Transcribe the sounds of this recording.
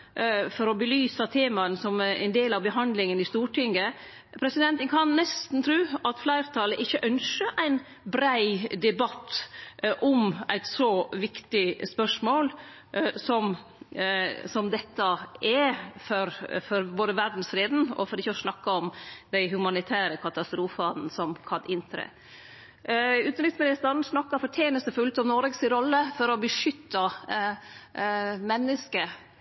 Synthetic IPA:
fɔɾɔbəlyːsət̪ʰeːmɑənsɔmæ̰ɪnd̪eːlɑʋbəɦɑnd̪lɪŋənɪst̪uːʈʰɪŋɡə | pʰɾɛsɪd̪ɛnt̪ənkʰɑnːɛst̪n̩t̪ʰɾʉːɑt̪flæɪɾt̪ʰɑləʔɪçːəʔœnʂəʔæɪn | bɾæɪd̪ɛbɑt̪ːʔɔmæɪt̪sɔʋɪkt̪ɪspœʂmoːl | sɔm | sɔmd̪ɛt̪ːəɛfɔɾfɔɾboːd̪əʋæɾɖn̩sɾeːd̪n̩ɔ̰fɔɾɪçːəɔsnɑkːɑɔmd̪æɪɦʉmɑnɪt̪ʰæːɾəkʰɑt̪ɑst̪ɾuːfɑnsɔmkʰɑd̪ɪnt̪ɾə̰ | ʉːt̪n̩ɾɪksmɪnɪst̪əɾn̩snɑkːɑɾfɔʈ̪ʰjeːnəst̪əfʉlt̪ɔmnɔːɾɛɡsɪɾɔlːəfɔɾɔbəʂʏt̪ːɑ | mɛnːəskə

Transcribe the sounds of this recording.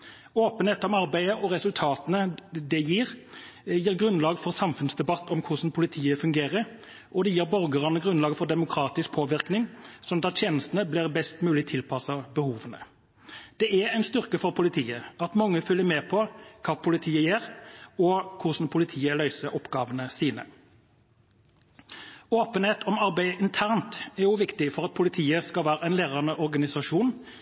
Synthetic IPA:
oːpənheːt̪ɔmɑʁbæɪəʔɔʁɛsʉlt̪ʰɑːt̪ənəd̪ɛjiːʁjiːɾɡɾʉnlɑːɡfɔʁsɑmfʉnsd̪ɛbɑt̪ːɔmkʰʊʂn̩pʰʊlɪt̪ʰiːəfʉŋɡeːʁəɾ | ʔɔd̪ɛjiːɾbɔʁɡəʁɑnəɡʁʉnɑːɡəfɔʁd̪ɛmʊkʰɾɑːt̪ɪsk̚pʰoːʋɪɾknɪŋsɔnt̪ɑt̪t̪ʰjeːnəst̪ən̩əblɪʁbɛst̪mʉːlɪt̪ʰɪlpʰɑsɑbəhuːʋənə̰ | d̪̥ɛʔææɪnst̪ʏʁkəfɔʁpʰʊlɪt̪ʰiːəɑt̪mɑŋːəfʏljəmeːpʰɔkʰɑːpʰʊlɪt̪ʰiːəjeːʁɔkʰʊʁʂn̩pʰʊlɪt̪ʰiːəlœʏsəɾɔpɡɑːʋənəsiːnə̰ | oːpənheːt̪ʰɔmɑʁbæɪəʔɪnt̪ʰæʁnt̪æʁjʊʋɪkt̪ɪfɔʁɑt̪̚pʰʊlɪt̪ʰiːəskɑlʋæːɾəæɪnleːʁɑʁnəʔɔʁɡɑnɪsɑʂuːn

